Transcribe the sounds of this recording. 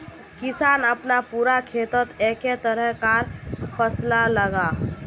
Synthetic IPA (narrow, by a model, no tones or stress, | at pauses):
kɪsaːnəpnapuːɾakʰeːt̪ət̪eket̪əɾəɦkaːɾpʰəslaləɡa